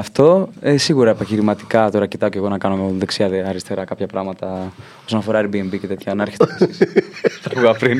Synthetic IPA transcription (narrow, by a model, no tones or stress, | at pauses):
ɐft̪o̞esiɣuɾɐepɐçiɾimɐt̪i̥kɐt̪o̞ɾɐcit̪ɐoceɣo̞nɐkɐnoðeksiɐðeɐɾist̪e̞ɾɐkɐpçɐpɾɐmɐt̪ɐ | o̞so̞nɐfo̞ɾɐeɾbiembice̞t̪e̞t̪çɐnɐɾçe̥t̪ | t̪ɐpuɐpɾin